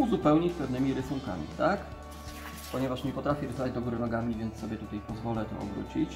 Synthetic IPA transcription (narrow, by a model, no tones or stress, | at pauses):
uzupɛwɲit͡ɕpɛvnɘmʲiɾɘsuŋka̰mʲḭt̪ak | pɔɲɛvaʂɲɛpɔt̪ɾafʲɛɾɘsavad͡ʑd̪ɔɡuɾɘnɔɡamʲivʲjɛnt̪sːɔbʲjɛt̪ut̪ajpɔzvɔlɛt̪ɔ̰ɔ̰bɾṵt͡ɕit͡ɕ